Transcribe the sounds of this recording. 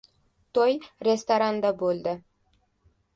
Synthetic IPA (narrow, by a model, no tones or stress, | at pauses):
t̪ojɾʲest̪oɾand̪abolˠd̪ɪ